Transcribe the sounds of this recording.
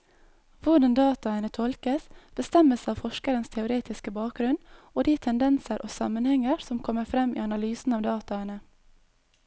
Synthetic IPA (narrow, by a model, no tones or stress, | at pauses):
ʋʊɖɑnd̪ɑːt̪ɑɛnət̪ʰɔlkəsb̥əst̪ɛməsɑːʋfɔʃkəɾənst̪ʰɛʊɾeːt̪ɪskəbɑːk̚ɡɾʉnoːd̪iːt̪ʰɛnd̪ɛnsəɾʔoːsɑ̰mənhɛŋəɾsɔmkʰɔmːəɾfɾɛmḭːɑnɑlyːsn̩ɑːʋd̪ɑːt̪ɑənə